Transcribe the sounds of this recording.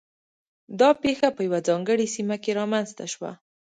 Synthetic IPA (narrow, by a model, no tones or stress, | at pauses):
d̪ɑpexapəjawad͡zɑŋɡəɽisimakeɾɑmanst̪aʃwa̰